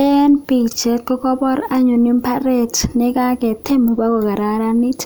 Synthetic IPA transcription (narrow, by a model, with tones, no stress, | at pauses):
ɛ˦npi˨t͡ʃe˨kɔ˦kɔ˦bɔ˦ɾa˦ɲʊ˨nɪ˦mpa˦ɾe˦tnɪ˦ka˦kɛ˨te˦mo˨ba˦ko˨ka˨ɾa˨ɾa˦ni˦t